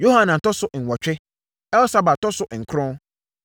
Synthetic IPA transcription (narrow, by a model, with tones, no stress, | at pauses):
jo˦ha˦nã˨n̩˨tɔ˦sʊ˦ʔŋ̩˨wɔ˨t͡ʃᶣɪ˦ | ɛ˦lsa˦ba˨tɔ˦sʊ˦ʔŋ̩˨kʰɾʊ̃˦